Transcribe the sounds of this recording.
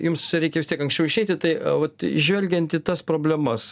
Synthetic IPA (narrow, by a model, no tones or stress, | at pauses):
jʊmsɾʲɛɪkʲɛʋʲɪst̪ʲiɛkɐŋksʲt͡ʃʲɛʊɪʃʲɛɪt̪ʲɪt̪ɐɪʋɐt̪ɪ̰ʒʲʋʲɛlʲɡʲɛnt̪it̪ɐspɾoːbʲlʲɛmɐs